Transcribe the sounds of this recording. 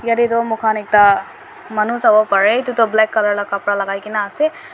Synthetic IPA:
jɐd̪it̪omʊkʰanek̚t̪a | mɐnusɐbopɐɾet̪ut̪oblɛkːɐləɾlakɐpɽalɐɡaːjkinaːse

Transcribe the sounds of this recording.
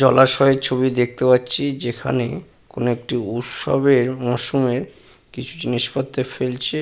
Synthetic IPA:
d͡ʑɔlaʃɔet͡ɕʰoβid̪ek̚t̪epatːɕʰid͡ʑekʰa̰ne | konoek̚ʈiut̪ʃɔ̰beɾmɔʃumeɾ | kit͡ɕʰu̥d͡ʑiniʃfot̪ːefelt͡ɕʰe

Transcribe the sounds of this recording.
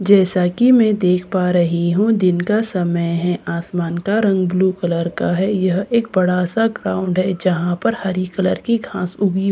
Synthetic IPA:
d͡ʒɛːsakimɛ̃ːd̪eːkʰpaɾɐɦiɦũd̪ɪnkasɐməjɦɛ̃ʔaːsmaːnkaɾɐ̃ŋɡbluːkələɾkaɦɛjɐɦeːk̚bɐɽasaɡɾaːʊ̃ɳɖɦɛd͡ʒɐɦãpɐɾhɐɾikələɾkiɡʱãːsʊɡi

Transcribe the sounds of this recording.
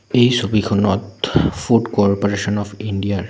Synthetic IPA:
ejsobikʰɔnɔtfʰuɖkɔɹpɔɹesɔnɔpʰindijaɹ

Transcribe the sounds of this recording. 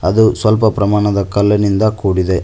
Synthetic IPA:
ɐd̪usʋɐlp̬ɐpɾɐmaːɳɐd̪ɐkɐlːɐnind̪ɐkuːɽid̪e̞

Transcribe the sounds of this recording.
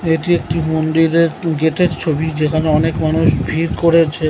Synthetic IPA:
eʈiek̚ʈimond̪iɾeɾɡeʈeɾt͡ɕʰobid͡ʑekʰaneɔnekmanuʃbʱiɾkoɾet͡ɕʰe

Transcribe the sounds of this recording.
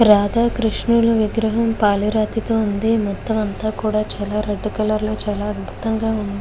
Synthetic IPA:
ɾaːd̪aːkɾiʂɳuluʋiɡɾɐɦɐmpaːliɾaːt̪it̪o̞ːund̪imɔt̪ːɐmɐnt̪aːkuːɽaːt͡ʃaːlaːɾeɖːukɐlɐɾloːt͡ʃaːlaːɐd̪̚bʱu̥t̪ɐŋɡaːund̪i

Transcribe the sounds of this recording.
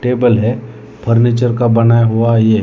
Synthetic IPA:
ʈeːbəlɦɛ | pʰəɾnet͡ʃəɾkabɐnaːjaɦuaje

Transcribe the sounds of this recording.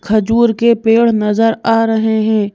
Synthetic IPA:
kʰɐd͡ʒuːɾkepeːɽ̤nɐzəɾaːɾɐɦeɦɛ̃ː

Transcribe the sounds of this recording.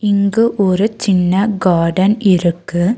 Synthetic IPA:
ɪŋɡɯʔɔɾɯt͡ʃɪnːɐɡaːɖɐnɪɾɯkːɯ

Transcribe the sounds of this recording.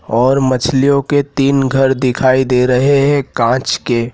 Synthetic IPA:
ɔːɾmɐt͡ʃʰlijõket̪iːnɡʱɐɾd̪ɪkʰaːid̪eːɾɐɦeɦɛ̃kãːt͡ʃke

